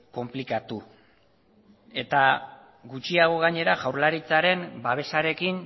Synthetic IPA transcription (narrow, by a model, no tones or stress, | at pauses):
ko̞mplikat̪u | e̞t̪a | ɣut͡ʃiaɣ̞o̞ɣ̞aɲe̞ɾaʝawɾlaɾit͡saɾe̞mbaβe̞saɾe̞kin